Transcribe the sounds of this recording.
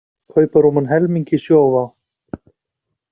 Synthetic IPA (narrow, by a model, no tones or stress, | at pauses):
pʰœːɥpaɾumanɦɛlmiɲcɪsjoːva